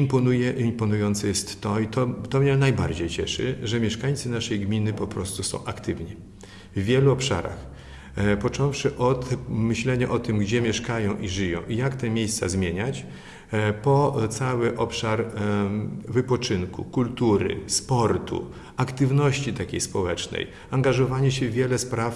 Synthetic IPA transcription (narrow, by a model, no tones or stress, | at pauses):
impɔnujɛʔimpɔnujɔnt̪sɛjɛst̪ːɔit̪ɔt̪ɔmɲɛnajbaɾd͡ʑejt͡ɕɛʂɘ̰ʐɛmʲjɛʂkaɲt̪sɘnaʂɛjɡmʲinɘpɔpɾɔst̪usɔ̰̃w̃ʔakt̪ɘvɲi | vːʲjɛluɔpʂa̰ɾa̰x | pɔt͡ʂɔ̃w̃fʂɘʔɔt̪mɘɕlɛɲaʔɔt̪ɘmɡd͡ʑɛmʲjɛʂkajɔ̃w̃ʔiʐɘjɔ̃w̃ijakt̪ɛmʲjejst̪sa̰zmʲjeɲat͡ɕ | pɔt̪sawɘʔɔpʂaɾ | vɘpɔt͡ʂɘnkṵkult̪uɾɘ̰spɔɾt̪ʰṵ | akt̪ɘvnɔɕt͡ɕit̪akʲejspɔwɛt͡ʂnɛ̰j | aŋɡaʐɔvaɲɛɕɛvʲjɛlɛspɾaf